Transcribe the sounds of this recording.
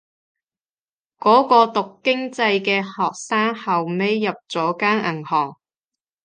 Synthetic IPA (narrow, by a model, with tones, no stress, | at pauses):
kɔː˨˥kɔː˧t̪ʊ˨kːɪ˥ŋt͡sɐ˧jkɛː˧hɔː˨k̚saː˥ŋhɐ˨wme˨jːɐ˨p̚t͡sɔː˨˥kaː˥nɐ˨˩ŋhɔː˨˩ŋ